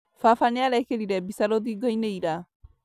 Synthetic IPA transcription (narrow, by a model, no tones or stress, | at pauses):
fafaneaɾɛkeɾiɾɛbisaɾoðiɡɔineiɾa